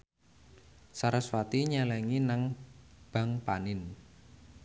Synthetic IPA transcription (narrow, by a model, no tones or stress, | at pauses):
saɾaswat̪iɲalɛŋinaŋb̥a̤ŋpanɪn